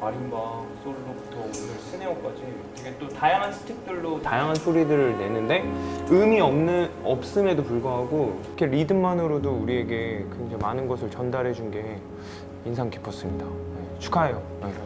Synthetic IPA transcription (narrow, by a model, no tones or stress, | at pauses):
maɾimbasʰoɾiɾopu̥tʰʌunɯɭsʰɯneʌk͈ad͡ʑi | eɡet͈otajaŋɦansʰɯ̥tʰek̚t͈ɯɭːotajaŋɦansʰoɾidɯɾɯɭne̞nɯnde̞ɯmiʌmnɯnʌp̚s͈ɯme̞dopuɭɡʌɦaɡo | kʰeɾidɯmmanɯɾodouɾie̞ɡe̞kɯd͡ʑemanɯnɡʌsʰɯɭt͡ɕʌndaɾɦe̞d͡ʑunɡe̞ | insʰaŋki̥pʰːʌs͈ɯmɲidajet͡ɕʰu̥kʰaejo | ne